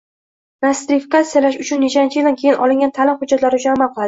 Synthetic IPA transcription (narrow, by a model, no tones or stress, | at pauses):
nast̪ɾɪfikat̪sijalaʃʊt͡ʃʰʊnːet͡ʃant͡ʃʰɪjld̪ankʲʰe̞jɪnʔɒlɪŋɡʲant̪ʰalɪmhʊdd͡ʒːat̪laɾɪʊʃamːaqʰɨlˠad̪ɪ